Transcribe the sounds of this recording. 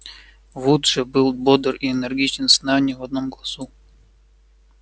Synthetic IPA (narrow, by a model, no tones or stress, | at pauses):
vut̪ʂɨbɨlˠbod̪əriɛnɛrɡʲit͡ɕnsnanʲivɐd̪̚nomɡlˠɐsu